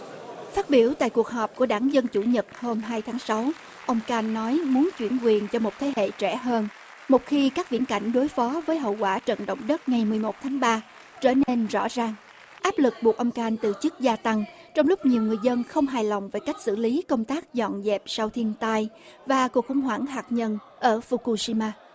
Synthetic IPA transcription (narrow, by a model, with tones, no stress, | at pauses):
faː˦˥t̚ɓi˧˩əwt̪a̰ː˧˨jku˨˩k̚ɦɔː˨˩p̚ku˧˩əɗaː˧˩ŋzə˧nt͡ɕu˧˩ɲə˨˩t̚ho˧mɦaː˧jt̪ʰaː˨˦ŋsa˨˦w | ʔə˧wŋ͡mkaː˧nːɔ˨˦jmu˨˦ənt͡ɕwi˧˩ənkwi˨˩ənt͡ɕɔ˧mo˨˩t̚t̪ʰe˨˦hḛ˧˨t͡ɕɛ˧˩ɦəː˧n | mo˨˩t̚xi˧kaː˦˥k̚vḭ˧˥ənka̰˧˩jŋ̟ɗo˨˦jfɔ˨˦vəː˨˦jɦə̰˧˨wkwaː˧˩t͡ɕə̰˧˨nɗə̰˧˨wŋ͡mɗə˦˥t̚ŋa˨˩jmɨ˨˩əjmo˨˩t̚t̪ʰaː˨˦ŋɓaː˧ | t͡ɕəː˧˩ne˧nzɔ̰˧˥zaː˨˩ŋ | ʔaː˦˥p̚lɨ˨˩k̚ɓu˨˩k̚ʔə˧wŋ͡mkaː˧nt̪ɨ˨˩t͡ɕɨ˦˥k̚zaː˧t̪a˧ŋ | t͡ɕɔ˧wŋ͡mlʊ˦˥k͡p̚ɲi˨˩əwŋɨ˨˩əjzə˧nxə˧wŋ͡mɦaː˨˩jlɔ̰˨wŋ͡mve˨˩jka˦˥jk̟̚sɨ̰˧˥li˨˦kə˧wŋ͡mt̪aː˦˥k̚zɔ̰˧˨nzɛ˨˩p̚sa˧wt̪ʰi˧ənt̪aː˧j | vaː˨˩ku˨˩ək̚xʊ̰˧˩ŋ͡mɦwaː˧˩ŋɦaː˨˩k̚ɲə˧n | ʔəː˧˩fu˧ku˧si˧maː˧